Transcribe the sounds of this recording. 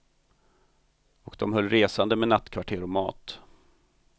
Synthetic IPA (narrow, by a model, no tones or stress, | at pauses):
ɔkd̪ɔmhœlːɾeːsand̪əmɛnat̪ːkʰvaʈʰeːɾɔmɑ̰ːt̪